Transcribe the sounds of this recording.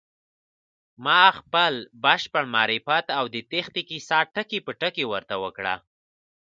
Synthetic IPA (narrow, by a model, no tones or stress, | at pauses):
mɑxpəlbaʃpəɳmɑɾifat̪awd̪ət̪exnikisɑʈəkepəʈəkewəɾt̪awəkɽa̰